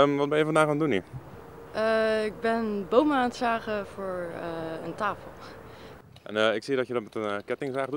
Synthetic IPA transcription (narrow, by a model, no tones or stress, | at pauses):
ʋɔt̚bɛnjəfɔndaːxaːndunḭ | əɪɡ̚bɛnbowməaːnsaːɣəfʊːɹə̰ntaːfəlˠ | ʔɛ̰nəɪksiədɔtjədɔtmɛtənkɛtɪŋsaːɣdu